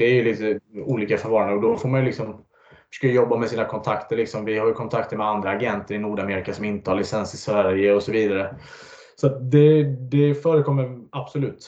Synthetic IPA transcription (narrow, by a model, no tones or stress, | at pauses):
d̪̥ɛɾjɵlit̪əuːliːkafœɾvɑːɾand̪əɔd̪ɔfoːɾmanjʏlɪksɔm | fʂœ̥ːkjəjɔbːamɛsiːnakʰɔnt̪ʰakt̪əɭɪksɔmvɪhaɾjkʰɔnt̪ʰakt̪əɾmɛd̪and̪ɾaːɡɛnt̪əɾɪnuːɖameːɾɪkasɔmɪnt̪əhaɾɭɪsɛnsɪsvæɾjəɔsɔviːd̪aɾə | sɔat̪̚d̪ɛd̪ɛfœːɾəkʰɔmːəɾab̥sɔlʉ̟ːt̪